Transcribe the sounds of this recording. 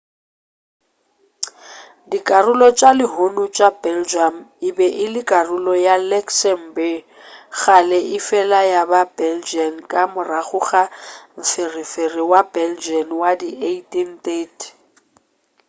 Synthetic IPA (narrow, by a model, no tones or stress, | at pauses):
dikʼarʊlɔt͡ʃʼalɪɦonʊt͡ʃʼabɛld͡ʒamɪbɛʔɪlɪkʼarʊlɔjalɛksɛmbɛ | ɣalɛʔɪfɛlajababɛld͡ʒiankʼamʊraχʊχam̩fɪriferɪwabɛld͡ʒianwadiʔetʼintʼetʰʼ